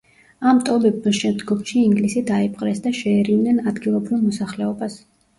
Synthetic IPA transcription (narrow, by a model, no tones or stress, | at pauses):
amt̪ʼɔbɛbmaʃɛmd̪ɡɔmʃiːŋɡlisid̪aipʼqʼɾɛsd̪aʃɛːɾivnɛnad̪ɡilˠɔbɾivˠmɔsaχlɛɔbas